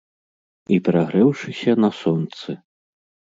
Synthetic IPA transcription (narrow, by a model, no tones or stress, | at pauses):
ipʲɾaɣɾɨwʂɨsʲɐnɐsɔnt̪sɨ